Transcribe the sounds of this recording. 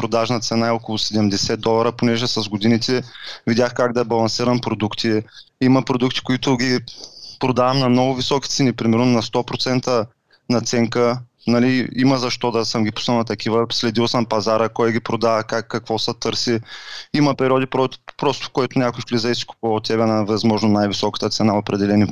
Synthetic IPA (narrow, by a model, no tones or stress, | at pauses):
pɾod̪aʒnɐt̪sɛnaɛɔkolˠʊsɛd̪ɛmd̪ɛsɛd̪ɔlˠɐɾəponɛʒɛsɐzɡod̪init̪ɛvid̪ʲaxkaɡd̪ɐbɐlˠɐnsiɾɐmpɾod̪ukt̪ʰi | imɐpɾod̪ukt̪i̥koit̪ʊɡʲipɾod̪avɐmnɐmnɔɡʊvisɔkʲi̥t̪sɛnipɾimɛɾnʊnɐst̪ɔpɾot̪sɛnt̪ə | nɐt̪sɛŋkə | nɐliimɐzɐʃt̪ɔd̪ɐsəmɡʲipʊ̥sənɐt̪ɐkivəslɛd̪ilˠsəmpɐzaɾəkɔjɡʲipɾod̪avəkakːɐkv̥ɔsɐt̪ɤɾsiimɐpɛɾiɔd̪ipɾɔpɾɔst̪ʊ̥kɔit̪ʊnʲjakʊjfklizɛjsi̥ku̥pɐlˠot̪ːɛbɛnɐvɛzmɔʒnonajvisɔkə̥t̪ət̪sɛnaopɾɛd̪ɛlɛni